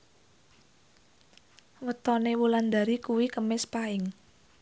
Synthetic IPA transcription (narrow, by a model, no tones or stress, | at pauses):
wət̪ɔnewuland̪aɾikuwikəmɪspaɪŋ